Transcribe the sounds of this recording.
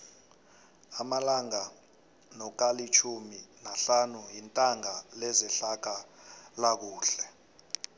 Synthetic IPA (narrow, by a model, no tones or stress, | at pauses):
amalaŋa | nɔk̬alit͡ʃʰuminaɬanujintʼaŋalɛzɛɬak̬alak̬uːɬɛ